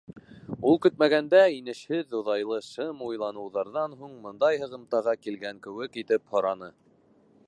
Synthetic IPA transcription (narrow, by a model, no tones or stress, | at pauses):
ulˠkɵ̆t̪mæɡænd̪æinɘ̆ʃhɘðŏðɑjlˠɤʃɤmujlˠɑnɤ̆wðɑɾðɑnɦuɴmɤ̆nd̪ɑjɦɤ̆ʁɤ̆mt̪ɑʁɑkilɡæŋkɘ̆wɘkit̪ɘphŏɾɑnɤ